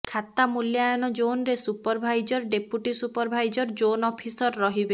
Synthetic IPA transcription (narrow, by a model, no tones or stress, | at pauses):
kʰat̪amuljajɔnɔd͡ʒonɾesupɔɾbʱajd͡ʒɔɾɖepuʈisupɔɾbʱajd͡ʒɔɾd͡ʒonɔpʰisɔɾːɔɦibe